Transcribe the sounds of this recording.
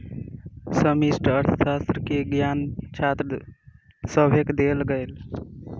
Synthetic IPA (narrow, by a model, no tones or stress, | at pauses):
səmisʈəɾt̪ʰə̥saːst̪ɾəkeɡjant͡ʃʰat̪ɾ | səbʱekd̪elɡəɪl